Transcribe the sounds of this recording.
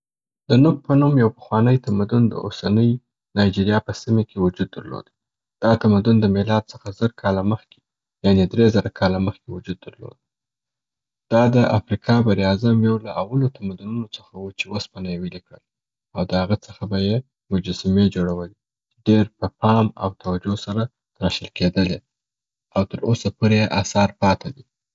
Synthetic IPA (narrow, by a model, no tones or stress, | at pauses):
d̪̥ənʊk̚pənumjawpə̥xwɑnəjt̪amad̪ʊnd̪ə̰o̰sanəj | nɑjd͡ʒiɾjɑpəsimekʰewʊd͡ʒud̪ːəɾlo̰d̪ | d̪̥ɑt̪amad̪ʊnd̪əmɪlɑd̪̚t͡səxazəɾkʰɑlaməxke̥ | janed̪ɾezaɾakʰɑlaməxkewʊd͡ʒud̪̚ːəɾlo̰d̪̚ | d̪̥ɑd̪əʔafɾikʰɑbaɾiɑzamjawlaʔawalot̪amad̪ʊnunot͡səxawut͡ʃewaspanajewilikɽə̰l | awd̪əhaɣət͡səxabaje | mʊd͡ʒasamed͡ʒoɽawəli | t͡ʃɖeɾpəpɑma̰wt̪awad͡ʒosaɾa | ɾɑʃəlked̪əle | awt̪əɾosapoɾejeʔasɑɾpɑt̪ʰad̪i